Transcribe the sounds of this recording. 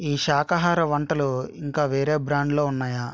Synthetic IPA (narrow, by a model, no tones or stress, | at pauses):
iːʃaːkɐɦaːɾɐʋɐɳʈɐluiŋkaːʋeːɾeːbɾaːɳɖlo̞ːunːaːjaː